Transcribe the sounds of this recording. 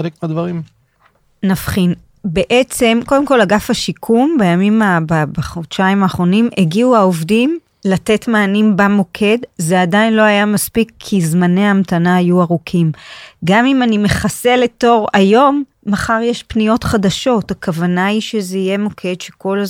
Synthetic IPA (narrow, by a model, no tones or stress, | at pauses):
elek̚meadvaʁim | nafχin | be̞ʔet͡se̞mko̞demko̞laɡafhaʃikʰumbajamimababaχodʃaimaːχʁo̞nimeɡiuaovdim | late̞tmaːnimbamo̞kʰe̞dzeadainlo̞hajamaspikʰːizmaneamtanaːjuaʁukʰimɡamimanime̞χase̞le̞to̞ʁajo̞mː | aχaʁjeʃpnijo̞tχadaʃo̞thakavanaiʃezeije̞mo̞kʰe̞dʃe̥ko̞l